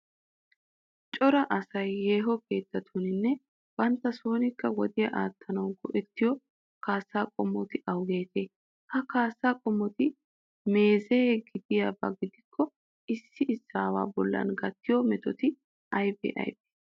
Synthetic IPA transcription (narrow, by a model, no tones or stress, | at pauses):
t͡ʃʼɔɾɐʔɐsɐjːeːɦɔke̞ːt̪ːɐt̪ʰunɪnːɛ | b̥ɐnt̪ːɐso̞ːnɪkːɐwɔd̪ɪjɐʔaːt̪ʰːɐnɐwɡɔʔɛt̪ːɪjɔ | kaːsːaːkʼɔmːɔt̪ɪʔɐwɡe̞ːt̪e̞ː | hɐkaːsːaːkʼɔmːɔt̪ɪ | me̞ːzeɡɪd̪ɪjabɐɡɪd̪ɪkʰːɔ | ɪsːɪʔɪsːaːwa̰ːbɔlːɐ̰nɡɐt̪ːɪjɔmɛt̪ɔt̪ɪ | ɐjbɛ̰ʔɐ̰jbe̥ː